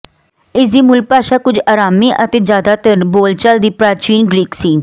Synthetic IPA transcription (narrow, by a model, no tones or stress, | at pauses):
ɪsd̪iːmʊlɡ̚paːʃaːkʊd͡ʒaːɾaːmiːʔət̪eːd͡ʒjaːd̪aːt̪əɾboːlt͡ʃəld̪iːpɾaːt͡ʃiːnɡɾiːksiː